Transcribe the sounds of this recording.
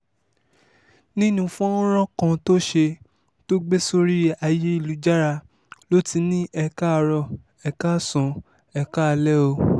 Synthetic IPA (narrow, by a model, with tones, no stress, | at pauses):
nĩ˦nũ˦˧fũ˦ã˦ɾ̃ɔ̃˦kã˧to˦ʃe˧ | to˦ɡ͡be˦so˦ɾi˦a˧je˦i˦˨lu˨˦d͡ʒa˦ɾa˧ | lo˦ti˧˦nĩ˦ʔɛ˧ka˦˧ɾɔ˦˨ | ɛ˧ka˦˨sɔ̃˨ | ɛ˧ka˦˧lɛ˦o˧